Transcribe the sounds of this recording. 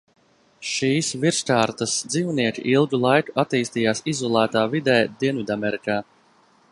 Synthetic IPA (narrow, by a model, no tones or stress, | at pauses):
ʃiːsviɾskaːɾt̪asd̪ziːwniɛkʲiʔilˠɡulˠajkuat̪iːst̪iːjaːsizɔlˠæːt̪aːvid̪ɛːd̪iɛnvid̪amɛɾikaː